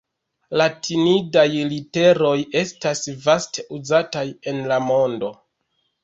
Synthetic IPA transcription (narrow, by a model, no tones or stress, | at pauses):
latʰinidajlite̞ɾo̞je̞stasvasteuzataje̞nlamo̞ndo̞